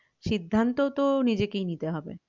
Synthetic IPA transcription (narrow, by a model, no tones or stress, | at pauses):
ʃid̪ʱːant̪ot̪onid͡ʑekejnit̪eɦɔbḛ